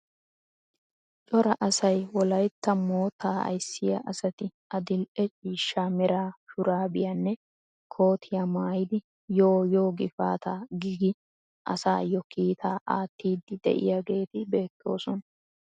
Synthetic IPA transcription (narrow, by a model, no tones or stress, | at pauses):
t͡ʃʼɔɾɐʔɐsɐjwɔlɐjt̪ːɐmoːt̪ʰaːɐ̰jsːɪjɐ̰ʔɐsɐt̪ɪʔɐd̪ɪlʔɛt͡ʃʼiːʃːaːmɛɾaːfʊɾaːbɪjanːɛ | kʰo̞ːt̪ʰɪjamaːjɪd̪ɪ | joːjo̞ːɡɪfa̰ːt̪aːɡiɡɪ | ʔɐ̰sa̰ːjɔkiːt̪ʰaːʔaːt̪ːiːd̪ːɪd̪ɛ̰ʔɪ̰jaɡe̞ːt̪ɪbe̞ːt̪ʰːo̞̰ːsɔn